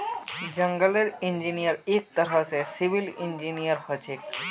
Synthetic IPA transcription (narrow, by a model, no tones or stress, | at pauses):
d͡ʑəŋɡaleɾind͡ʑinijaɾek̚t̪aɾasesibilind͡ʑinijaɾhɔt͡ɕʰek̚